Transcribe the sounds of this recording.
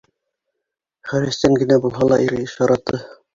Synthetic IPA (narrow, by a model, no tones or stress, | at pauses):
χæɾɘ̆st̪æŋɡɘ̆næbulˠɦɑlˠɑʔiɾɘɘʃjɑɾɑt̪ːɤ